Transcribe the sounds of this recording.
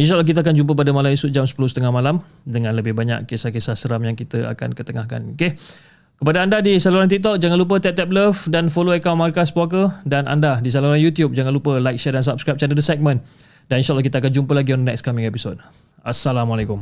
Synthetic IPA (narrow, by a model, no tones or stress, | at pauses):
inʃaʔalɔhk̬it̪̬əak̬and͡ʒump̬əp̬adəmalamisut̪̚d͡ʒamsə̥pulʊhsə̥t̪əŋahmalam | dəŋãnləbɪhbaɲa̰kːesahkesahsəɾamjaŋkit̪əa̰ka̰nkət̪əŋahka̰noke | kəpadaandadisaluɾant̪ik̚t̪ɔk̚d͡ʒaŋanlup̬ət̪ɛp̚t̪ɛp̚ləfdanfoloəkawnmarkaspɔkədanʔa̰ndadis̬aluɾanjut̪jup̚d͡ʒaŋanlupəlajk̚ʃɛdans̬ap̚skɾajp̚t͡ʃandədəsɛk̚mə̃n | daninʃaʔlɔhkit̪əak̬and͡ʒumpəlaɡionənɛk̚skamiŋepisod̚ | a̰salamalakum